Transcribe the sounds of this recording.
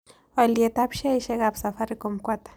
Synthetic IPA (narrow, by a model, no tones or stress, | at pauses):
waliet̪apʃaiʃɛɣabsafaɾikomkwat̪ḁ